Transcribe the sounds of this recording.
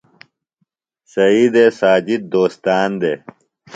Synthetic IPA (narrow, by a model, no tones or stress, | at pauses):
sɐiːd̪esaːd͡ʑid̪̚d̪oːst̪aːnd̪eː